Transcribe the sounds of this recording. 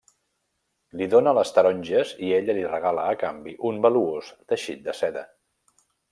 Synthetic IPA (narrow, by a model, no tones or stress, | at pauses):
liðonələst̪əɾɔɲʲʒəzieʎəlirəɣaləːkambiʔumbəluozt̪əʃḭt̪̚d̪əsɛðə